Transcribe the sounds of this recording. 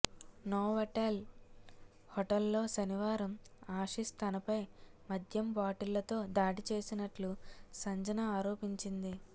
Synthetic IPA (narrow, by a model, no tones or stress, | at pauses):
noːɦɔʈel | hɔʈɐlːo̞ːʃɐniʋaːɾɐmaːʂist̪ʰɐnɐpɐjmɐd̪ʱjɐmbaːʈilːɐt̪o̞ːd̪aːɽit͡ʃe̞ːsinɐʈlusɐɲd͡ʒɐnɐaːɾo̞ːpiɲt͡ʃind̪i